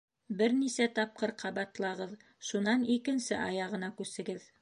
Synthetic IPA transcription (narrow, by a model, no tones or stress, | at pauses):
bɘɾnisæt̪ɑp̚qɤɾqʰɑβɑt̪lˠɑʁɤð | ʃunɑnikɘ̆nsɘʔɑjɑʁɤ̆nɑkʉsɘ̆ɡɘð